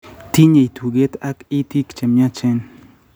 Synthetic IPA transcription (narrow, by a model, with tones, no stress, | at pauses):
t̪i˦ɲe˨i˨t̪ʰu˨ɡe˦t̪a˦ki˦t̪i˦kt͡ʃe˨mja˦t͡ʃɛ˦n